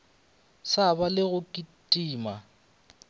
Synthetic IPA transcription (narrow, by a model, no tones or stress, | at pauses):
sabalɪɣʊkʼitʼiːma